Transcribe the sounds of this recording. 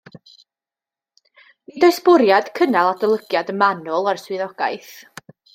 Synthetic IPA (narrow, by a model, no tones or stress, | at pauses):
nidɔɨsbʊɾjad̥kʰənalˠadəlˠəɡjadəmanʊlˠarswɪðɔɡ̥ajθ